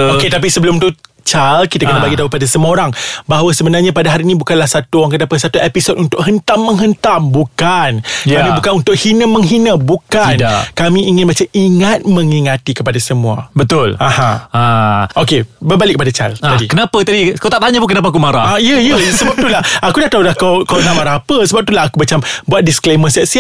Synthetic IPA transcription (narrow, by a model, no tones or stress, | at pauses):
oket̪ap̬isəbəlʊmt̪u | t͡ʃalkit̪akənabaɡit̪aupadasəmoɾaŋbaɦwasəbənarɲapadaɦaɾinĩbukanlahsat̪uowaŋkənapəsat̪uepisot̚unt̪ʊk̚ɦənt̪amːəŋɦənt̪ambukanjkamĩbukanunt̪ʊk̚hinəməŋɦinəbukankamĩiŋɪnbat͡ʃəʔiŋat̪̚məŋiŋat̪ikəpadasəmũa̰bət̪ʊlahãaʔokebəbalɪʔkːəpadat͡ʃa̰laadikənapət̪adikawt̪aʔ̚t̪aɲap̬unkənap̬aakumaɾa̰aiəijəsəbap̚t̪ulahakudaht̪aulahkawkawt̪aʔmaɾaapəsəbap̚t̪ulaɦakumat͡ʃambuat̪̚diskleməsaʔsi